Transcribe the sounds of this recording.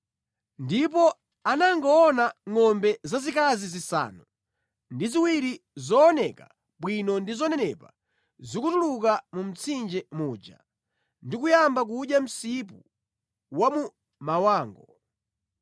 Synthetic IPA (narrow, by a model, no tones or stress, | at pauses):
ndip̬ɔ | anaŋɡaːnaŋɔmbɛzazikazizisa̰ːnu | ndiziwiɾizɔːnɛka | ɓwinɔndizɔnɛnɛpa | zikutuluk̬amum̩t͡sʰind͡ʒɛmuːd͡ʒa̰ | ndikujambak̬uɗjam̩sip̬ṵ | wamu | mawaːŋɡɔ